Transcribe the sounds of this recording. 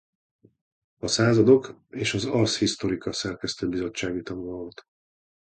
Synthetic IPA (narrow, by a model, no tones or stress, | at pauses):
ɒsaːzɒd̪o̞keːʃɒzɒrshist̪o̞ɾikɒsɛrkɛst̪øbizo̞t͡ʃːaːɡit̪ɒnuɒot̪